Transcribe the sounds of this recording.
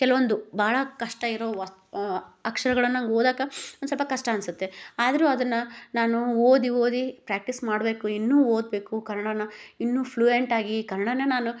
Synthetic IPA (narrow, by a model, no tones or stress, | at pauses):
kɛlɐʋond̪ubʱaːɭɐkɐʂʈɐiɾoːɐ | ɐkʂɐɾɐɡɐɭɐnːɐŋɡoːd̪aːɡɐond̪sɔlpɐkɐʂʈɐɐnsut̪ːe̞aːd̪ɐɾuːɐd̪ɐnːɐnaːnuoːd̪ioːd̪ipɾæːk̚ʈismaːɽbe̞ːkuinːuːoːd̪̚be̞ːkukɐɾɐɳɐnɐinːuːpʰluːeɳʈaːɡikɐɾɐɳɐnɐnaːnu